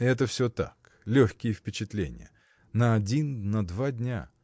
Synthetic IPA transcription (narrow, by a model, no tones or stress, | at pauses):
ɛt̪̬əfsʲot̪a̰k | lʲoxʲkʲɪjəfpʲɪt͡ɕɪt̪lʲenʲɪ̰jə | nəɐdʲinːəd̪vadʲnʲa̰